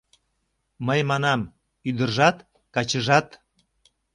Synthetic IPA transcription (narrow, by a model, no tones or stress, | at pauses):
məjmɑnɑm | yd̪ərʒɑt̪ | kɑt͡ɕəʒɑt̪